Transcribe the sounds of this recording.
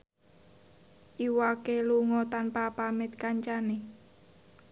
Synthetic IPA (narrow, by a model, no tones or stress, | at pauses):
ʔiwakeluŋɔt̪anpapamɪt̪̚kaɲt͡ʃane